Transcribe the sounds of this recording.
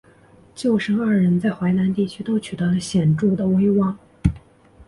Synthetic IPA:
t͡ɕjo˥˩ʊʂɤ˥ŋa˞˥˩ɻə˧˥nt͡sa˥˩ɪxwa˧˥ɪna˧˥nt̪i˥˩t͡ɕʰy˥t̪o˥ʊt͡ɕʰy˨˩t̪ə˧˥lə˧ɕjɛ˨˩nʈ͡ʂu˥˩d̪ə˩we˥ɪwɑ˥˩ŋ

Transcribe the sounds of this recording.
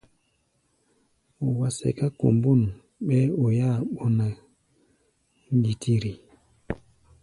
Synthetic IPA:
o˨wa˨sɛ̰˨ka˦ko̰˨mbo˦˨n˨ | ɓɛ˦o˨ja˦˨ɓɔ˦na˨ | ŋ˦ɡi˨tʰi˦ɾi˨

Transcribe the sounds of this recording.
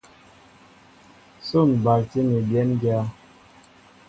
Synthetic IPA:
so˦˨n˨ba˨kti˦ni˨bjɛ˦nɡja˦

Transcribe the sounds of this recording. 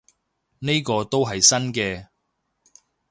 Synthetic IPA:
ne˥jkɔː˧t̪o˥wɦɐ˨jsɐ˥nkɛː˧

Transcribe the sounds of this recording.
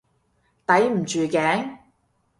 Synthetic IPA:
t̪ɐ˨˥jm̩˨˩t͡ʃyː˨kɛː˨˥ŋ

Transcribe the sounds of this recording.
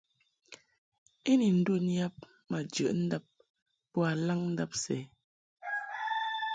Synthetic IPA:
e˦ni˨n̩˨˦du˦˨nja˦p̚ | ma˨d͡ʒə̰˨ʔn̩˦da˦p̚ː | ɔ˦a˨la˦ŋn̩˦da˦p̚sɛ˨˦

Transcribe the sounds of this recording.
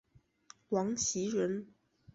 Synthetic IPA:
wɑ˧˥ŋt͡ɕʰi˧˥ɻə˧˥n

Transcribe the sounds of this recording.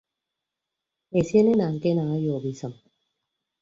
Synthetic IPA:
e˨si˦e˦ne˦naː˨ŋke˦naː˨˦jo˨bi˦sɐ˨m

